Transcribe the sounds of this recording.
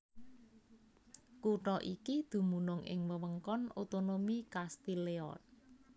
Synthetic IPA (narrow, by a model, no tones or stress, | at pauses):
kuʈɔʔikid̪̥ṳmunʊŋʔɪ̰ŋməwəŋkɔnot̪onomikast̪ileɔ̰t̪̚